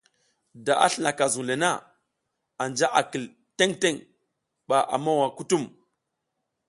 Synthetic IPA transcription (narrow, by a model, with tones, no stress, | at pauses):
da˨ʔa̰˦ɬi˦na˨ka˨zu˨le˨na˦ | a˨nd͡ʒa˦ʔa˨ki˨l | te˦ŋte˦ŋ | ɓa˨ʔa̰˨ma˦wa˨ku˦tu˦˨m